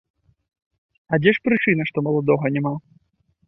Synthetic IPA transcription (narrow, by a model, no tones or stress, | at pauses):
ɐd͡zʲɛʂpɾɨt͡ʂɨnɐʂt̪ɔmɐlˠɐd̪ɔɣɐnʲɛma